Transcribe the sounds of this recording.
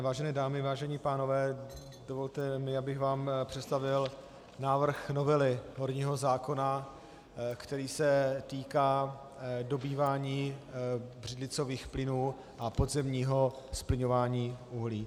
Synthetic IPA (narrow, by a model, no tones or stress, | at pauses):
vaːʒɛnɛːdaːmɪvaːʒɛɲipaːno̞vɛː | dovo̞lt̪ɛmɪabɪɣvaːmpr̥ɛt̪st̪avɪl | naːvr̩xno̞vɛlɪɦo̞ɾɲiːɦo̞zaːko̞na | kt̪ɛɾiːsɛt̪iːkaː | do̞biːvaːɲiː | br̝ɪd̪lɪt͡so̞viːxplɪnuː | ʔapodzɛmɲiːɦo̞splɪɲo̞vaːɲiːʔuɦliː